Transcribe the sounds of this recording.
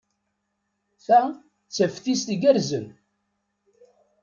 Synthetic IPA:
θæ | t͡sːəfθist̪iɡæɾzən

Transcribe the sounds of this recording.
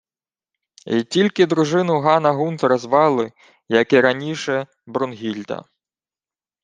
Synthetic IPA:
itʲilʲkɪd̪ɾʊʒɪnʊɦɑnɐɦunt̪ɾɐzʋɑlˠɪ | jɐkɪɾɐnʲiʃɛ | bɾɔnɦʲilʲd̪ɐ̰

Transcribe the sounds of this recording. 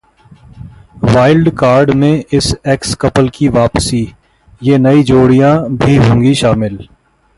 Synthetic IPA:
ʋaːɪlɖkaːɾɖmẽʔɪsɛːkskɐpəlkiʋaːpsi | jeːnɐid͡ʒoːɽijãbʱiɦũːŋɡiʃaːmɪl

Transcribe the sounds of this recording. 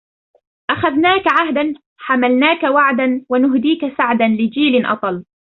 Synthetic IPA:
ʔaxaðnaːkaʕaɦd̪an | ħamalnaːkawaʕd̪anwanʊɦd̪iːkasaʕd̪anlɪd͡ʒiːlɪnʔɑ̰t̪ˤɑl

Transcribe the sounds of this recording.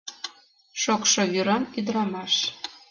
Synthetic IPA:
ʃokʃŏβyɾɑnyd̪ɾɑmɑʃ

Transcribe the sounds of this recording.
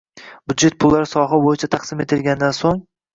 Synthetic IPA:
b̥ʊd̪d͡ʒe̞t̪̚pʰʊlˠːaɾsɒɦabojɪt͡ʃʰat̪ʰɑqsɪmet̪ʰɪlɡʲand̪ansoŋ

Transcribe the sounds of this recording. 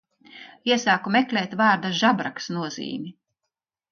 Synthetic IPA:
iɛsaːkumɛklʲɛːt̪vaːɾd̪aʒabɾaksnuɔzḭːmʲi

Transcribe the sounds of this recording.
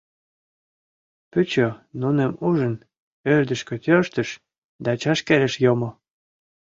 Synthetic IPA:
pyt͡ɕonunemuʒən | ørd̪ə̆ʃkø̆t̪ʲørʃt̪ə̆ʃ | d̪ɑt͡ɕɑʃkeɾeʃjomo

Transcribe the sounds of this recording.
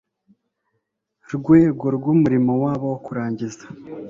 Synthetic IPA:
ɾɡweːɡo̞ɾɡwuːmuɾimowaːβawokuɾaːɲɟizḁ

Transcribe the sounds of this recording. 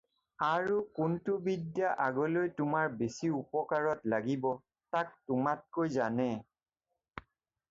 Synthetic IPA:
aɹukʊntʊbidjaʔaɡɔlojtʊmaɹbesiupɔkaɹɔtlaɡibɔ | tak̚tʊmat̚kojzanɛ

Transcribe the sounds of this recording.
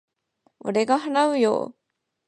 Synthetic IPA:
o̰ɾeɡaɦanaɯ̟jo̰ː

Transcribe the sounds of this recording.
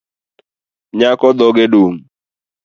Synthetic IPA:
ɲakɔd̪ɔɡedoŋ

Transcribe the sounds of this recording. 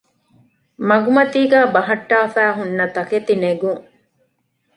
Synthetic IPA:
mɐɡumɐt̪iːɡæːbɐɦɐʈːaːfæːɦunːɐt̪ɐket̪ineɡuŋ

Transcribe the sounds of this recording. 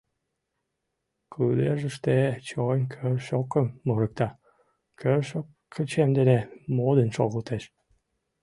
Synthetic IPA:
kʰɯd̪eʒəʃt̪et͡ɕonʲkʰørʃokəmːuɾə̆k̚t̪ɑ | kʰørʃokʰːət͡ɕemd̪enemod̪ənʃoɣəlt̪eʃ

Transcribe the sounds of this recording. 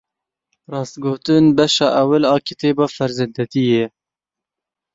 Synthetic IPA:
rɑːst̪ɡoːt̪ɨnbɛʃɑːʔɛwɪlɑːkʰit̪eːbɑːfɛɾzɛnd̪ɛt̪ijɛ

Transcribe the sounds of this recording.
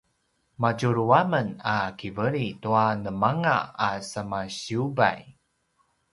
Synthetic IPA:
maɟuɾuamənakivəɾituanəmaŋa̰asəmaɕiuba̰j

